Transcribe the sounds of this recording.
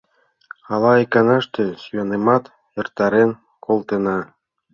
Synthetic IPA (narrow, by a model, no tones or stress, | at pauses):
ɑlˠɑekɑnɑʃt̪øsyjɑnemɑt̪ | ĕrt̪ɑɾen | kʰolˠt̪ĕnɑ